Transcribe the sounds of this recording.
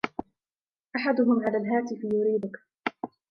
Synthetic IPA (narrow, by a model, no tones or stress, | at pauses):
ʔaħad̪ʊɦʊmʕalaːlɦaːt̪ɪfjʊɾiːd̪ʊk